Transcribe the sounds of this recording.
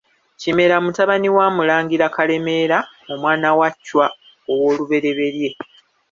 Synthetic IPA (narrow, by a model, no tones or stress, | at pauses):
cime̞ɾamutaβaniwaːmulaːŋɡiɾakale̞me̞ːɾa | omwaːnawacːwa | owo̞ːluβe̞ɾe̞βe̞ɾje̞